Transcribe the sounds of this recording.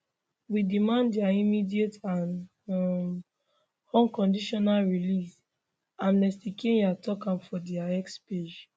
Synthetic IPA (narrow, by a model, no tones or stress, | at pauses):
widimãndiaimidietãn | ɔ̃nkɔ̃ndiʃɔnalɹilis | ãnmɛstikẽnatɔkãmfɔdiaɛksped͡ʒ